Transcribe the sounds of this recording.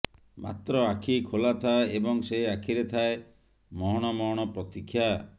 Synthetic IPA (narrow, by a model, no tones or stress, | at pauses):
ma̰t̪ɾɔakʰikʰolat̪ʰaeebɔŋseakʰiɾet̪ʰae | mɔɦɔɽ̃ɔmɔɦɔɽ̃ɔpɾɔt̪ikʰːja